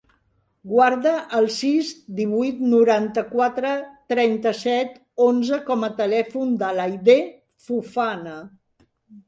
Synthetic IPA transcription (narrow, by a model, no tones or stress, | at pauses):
ɡwaɾðəʔːlˠsizd̪iβujt̪nuɾant̪əkwat̪ɾət̪ɾɛnt̪əsɛt̪ | onzəkɔmət̪əlɛfund̪əlajðe | fufanə